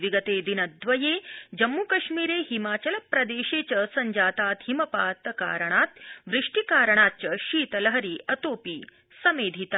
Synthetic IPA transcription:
ʋiɡɐt̪eːd̪inɐd̪ʋɐjeːd͡ʒɐmːukɐʃmiːɾeːɦimaːt͡ʃɐlɐpɾɐd̪eːʃeːt͡ʃɐsɐɲd͡ʒaːt̪aːt̪ɦimɐpaːt̪ɐka̰ːɾɐɳaːt̪ʋɾɪʂʈikaːɾɐɳ̃aːt̪̚t͡ʃɐʃiːt̪ɐlɐɦɐɾiːʔɐt̪oːpiː | sɐmeːd̪ʱit̪a

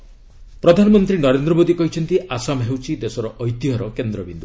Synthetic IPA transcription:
pɾɔd̪ʱanɔmɔnt̪ɾinɔɾend̪ɾɔbod̪ikɔɦit͡ʃʰɔnt̪iʔasamɦewt͡ʃʰid̪esɔɾɔʔɔjt̪iɦɔɾɔkend̪ɾɔbind̪u

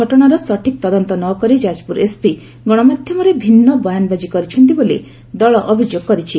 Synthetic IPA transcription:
ɔʈɔɽ̃aɾɔsɔʈʰik̚t̪ɔd̪ɔnt̪ɔnɔkɔɾid͡ʒad͡ʒpuɾespi | ɡɔɽ̃ɔmad̪ʱjɔmɔɾebʱinːɔbɔjanbad͡ʒikɔɾit͡ʃʰɔnt̪̬ibolḛ | d̪ɔɭɔʔɔbʱid͡ʒoɡkɔɾit͡ʃʰi

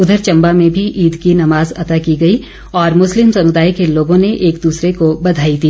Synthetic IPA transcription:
ʊd̪ʱəɾt͡ʃɐ̃mbamẽbʱiʔiːd̪kinɐmaːzɐ̰t̪akiɡɐi | ɔːɾmʊslɪmsɐmʊd̪aːjkeloːɡõneʔeːkd̪uːsɾekobɐd̪ʱaːit̪iː

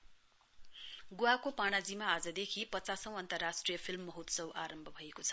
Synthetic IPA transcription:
ɡuwakopaɽ̃ad͡zimaːd͡zʌd̪ekʰipʌt͡sasʌ̃w̃ʌnt̪ʌrasʈrijʌpʰilmːʌɦut̪sʌwʔaɾʌmbʱʌbʱʌekot͡sʰʌ̥

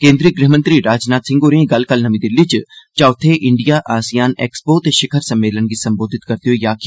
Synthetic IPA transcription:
kẽːnd̪ɾiːɡɾɪɦmə̃nt̪ɾiɾaːd͡ʒnaːt̪sɪ̃ŋɡoːɾẽːɡɐlkɐlnɐmĩd̪ɪlːit͡ʃt͡ʃaːt̪ʰeʔɪɳɖijaʔaːsijaːnḛːkspoːt̪eʃɪkʰəɾsɐmːeːlənɡisɐmboːd̪ʱɪt̪kɐɾt̪iɦojaːk

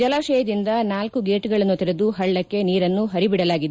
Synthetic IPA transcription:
d͡ʒɐlaːʃɛːjɐd̪ind̪ɐnaːlkuɡeːʈɡɐɭɐnːut̪iɾed̪uɦɐɭːɐkːe̞niːɾɐnːuɦɐɾibiɽɐlaːɡid̪e

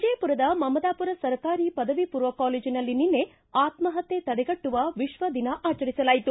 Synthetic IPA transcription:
id͡ʒejpuɾɐd̪ɐmɐmɐd̪aːpuɾɐsɐɾɐkaːɾipɐd̪ɐʋipuːɾʋɐkaːleːd͡ʒinɐlːininːe̞ | aːt̪mɐɦɐt̪ːet̪ɐɽɛɡɐʈːuʋɐʋiʃʋɐd̪inɐʔaːt͡ʃɐɾisɐlaːjit̪u

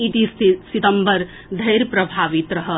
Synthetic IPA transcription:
iʈ̪issit̪əmbəɾ | d̪ʱəjɾpɾəbʱaːʋit̪ɾɐɦə

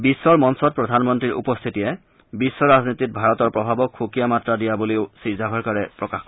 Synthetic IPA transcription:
bisːɔɹmɔnsɔt̚pɹɔdʱanmɔntɹiɹṵpɔst̪ʰitijɛ | bisːɔɹaznitit̚bʱaɹɔtɔɹpɹɔbʱabɔkʰxukijamatɹadijaboleʊsiɹzaɦɔɹkaɹɛpɹɔkax

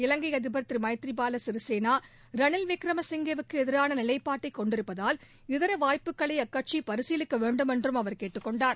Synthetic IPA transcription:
ɪlɐŋɡɐɪɐðɪbɐɾt̪rimɐɪt̪ɾibaːlɐsɪɾɯseːnaː | ɾɐnɪlʋɪkɾɐmɐsɪŋɡɐʋɯkːɯɛðɪɾaːnɐnɪlɐɪpːaːʈːɐɪkːɔɳɖɪɾɯpːɐðaːl | ɪðɐɾɐʋaːjpɯkːɐɭɐɪɐkːɐʈ̚t͡ʃipɐɾɯsɪjlɯkːɐʋeːɳɖɯmɛndrɯmɐʋɐɾkeːʈːɯkːɔɳɖaːɾ

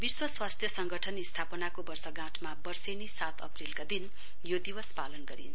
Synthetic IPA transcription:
biswʌswast̪ʰjʌsʌŋɡʌʈʰʌnist̪ʰapʌnakobʌrsʌɡãʈʰmabʌrsenisat̪ʰʌ̰prilkad̪in | jod̪iwʌspalʌnɡʌɾḭn

